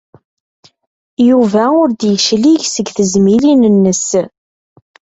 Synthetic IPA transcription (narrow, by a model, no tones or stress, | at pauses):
juvæʊɾd̪jəʃliʝsəɡθəzmilinənːəs